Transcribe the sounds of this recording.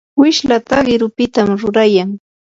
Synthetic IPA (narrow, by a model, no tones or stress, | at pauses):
wɪʃlat̪aɢɪɾʊpɪt̪amɾʊɾajaŋ